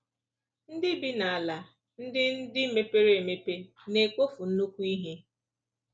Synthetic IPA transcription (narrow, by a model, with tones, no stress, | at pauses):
n̩˦dɪ˦bi˦na˨a˨la˨ | n̩˦dɪ˦n̩˦dɪ˦me˦pe˦ɾe˨me˨pe˦ | ne˨ko˦fu˨n̩˦nu˦kʷu˦i˦ɦe˦